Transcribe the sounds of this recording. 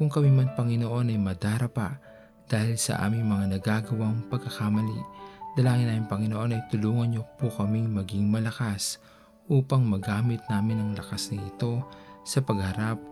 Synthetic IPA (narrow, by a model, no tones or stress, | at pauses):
kʊŋkɐmimɐnpɐŋɪnoʔo̞nɐjmɐd̪aːɾɐpa | d̪̥aːhɪlsɐ̰ʔa̰ːmɪŋmɐŋanɐɡaːɡɐwaŋpɐɡ̚kɐkamɐlḭd̪̥ɐlaːŋɪnaːmɪŋpɐŋɪnoʔo̞nɐjt̪ʊluːŋɐnɲopukɐmiŋmɐɡiŋmɐlɐkas | ʔuːpɐŋmɐɡaːmɪt̪̚naːmɪnɐŋlɐkasnɐɪt̪o̞sɐpɐɡhɐɾap̚